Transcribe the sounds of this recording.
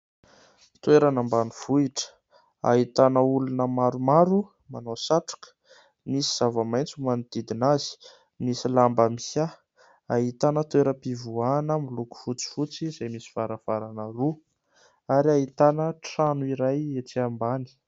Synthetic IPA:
t̪weɾanambaniv̥uiʈ͡ʂə̥ | a̰ɦit̪anəulunəmaɾumaɾu | manosaʈ͡ʂḁkə̥ | misiz̥avamajnt͡sumuanid̪̥id̪inazi̥ | misilambamiha | aɦit̪anət̪weɾəpivuanəmiluku̥fut͡si̥fut͡sizajmisi̥vaɾav̥aɾanəru | aɾiaɦit̪anəʈ͡ʂanuiɾajet͡siambani̥

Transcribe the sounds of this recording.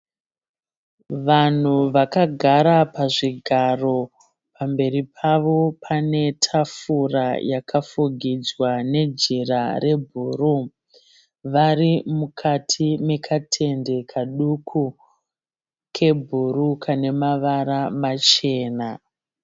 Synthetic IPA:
ʋan̤uʋakaɡʱaɾapaʐiɡʱaro̞ | pambe̞ripʰaʋo̞pʰane̞tʰafurajakʰafuɡʱid͡zwane̞d͡ʒirare̞bʱuːru | ʋaɾimukʰatʰime̞kʰatʰe̞nde̞kʰaɗukʰu | kʰe̞bʱuɾukʰane̞maʋaɾamat͡ʃe̞ːna

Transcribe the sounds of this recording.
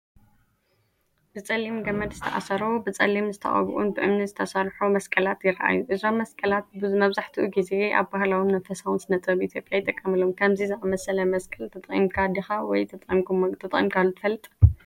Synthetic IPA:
b̥ɨt͡sʼɐlːimɡɐmɐd̪zɨt̪ʰɐ̰ʔa̰sɐɾobɨt͡sʼɐ̰lːimzɨt̪ʰɐ̰χʼɐ̰β̰ʔṵnbɨʔɨmnɨzɨt̪ʰɐsaɾħumɐskʼɐlat̪jɪɾɐʔa̰juʔɨzomːɐskʼɐlat̪̚bɨmɐβzaħt̪ʰiʔuɡize̞ʔa̰βbahlawimnɐfɐsawunsɨnɐt͡s̪ʼɐβʔit̪ʰjo̞pʼjajɪt̪ʼɐkʼːɐmɨlomkʰaβzizɨʔʼɐmɐsɐlɐmɐskʼɐlt̪ʰɐt̪ʼχʼimkʰad̪ixawɔjt̪ʰʼt̪ʰɐt̪ʼʔʼimkʰalt̪ʰɨfɐlːɨt̪ʼ

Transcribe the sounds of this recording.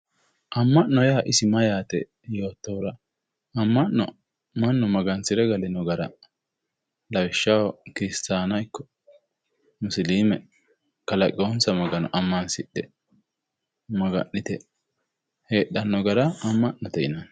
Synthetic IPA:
ʔɐmːɐʔːɔjaːʔɪsɪmɐjaːt̪ɛ̰ | jo̞ːt̪ːɔwɾɐ | ɐmːɐʔːɔ̰ | mɐnːɔmɐɡɐnsɪɾɛɡɐlɪnɔɡɐɾɐ̰ | lɐwɪʃːɐwɐkɪɾɪst̪aːnɐɪkːɔ̥ | mʊsliːmɛ | kɐlɐkʼːɪonsɐmɐɡɐnɔ̰ʔɐmːɐnsɪɗɛ̰ | mɐɡɐ̰nːɪt̪ɛ | heːɗːɐnːɔɡɐɾɐɐmːɐʔnɔt̪ɛʔɪnɐn

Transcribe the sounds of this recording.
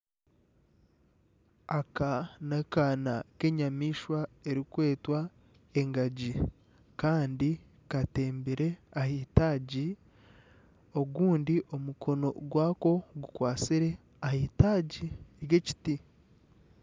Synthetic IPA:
akanakanake̞ɲamiːʃwae̞ɾikwe̞ːtwa | e̞ŋɡaɟi | kaːndi | kate̞ːmbiɾe̞ahiːtaːɟi | o̞ɡuːndiʔo̞mukʰo̞no̞ɡwaːko̞ɡukwaːt͡siɾe̞ | ahiːtaːɟiɾje̞ci̥ti

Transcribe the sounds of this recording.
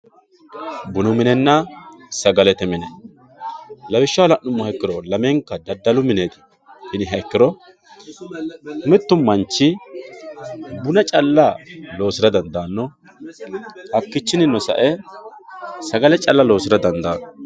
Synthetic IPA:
bʊnʊmɪnɛnːɐsɐɡɐlɛt̪ɛmɪnɛ | lɐbɪʃːaːlɐʔːʊmːɔhɛkːɪɾɔlɐmeːŋkːɐd̪ɐd̪ːɐlʊmɪne̞ːt̪ɪ̥ | hɪnɪɦɐkːɪɾɔ | ʊmɪt̪ːʊmːɐnt͡ʃːɪ | bʊnɐt͡ʃʼɐlːɐlo̞ːsɪɾɐd̪ɐnd̪aːnːɔ | ɐkːɪt͡ʃːɪnɪnːɔsɐ̰ʔɛ | sɐɡɐlɛt͡ʃʼɐlːɐlo̞ːsɪɾɐd̪ɐnd̪aːnɔ

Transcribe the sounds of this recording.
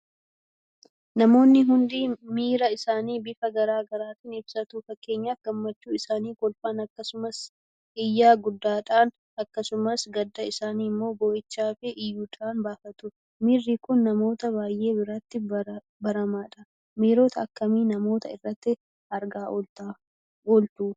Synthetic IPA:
nɐmo̞ːnːɪɦʊnd̪iːmiːɾɐɪsaːniːbɪfɐɡɐɾaːɡɐɾaːt̪ɪnɪbsɐt̪uːfɐkːe̞ːɲːaːfɡ̥ɐmːɐt͡ʃːuːɪsaːniːkɔlfaːnɐkːɐsʊmɐs | ɪjːaːɡʊd̪ːaːᶑaːn | ɐkːɐsʊmɐsɡɐd̪ːɐɪsaːniːmːo̞ːbɔːʔɪt͡ʃːaːfɪʔɪjːuːᶑ̪aːnbaːfɐt̪ʊ | miːrːiːkʊnːɐmo̞ːt̪ɐβaːjʔe̞ːbɪɾaːt̪ːɪ | bɐɾɐmaːᶑɐ | miːɾo̞ːt̪ɐːkːɐmiːnɐmo̞ːt̪ɐɪrːɐt̪ːɪ | ɐɾɡaːʔɔlt̪a | ɔlt̪uː

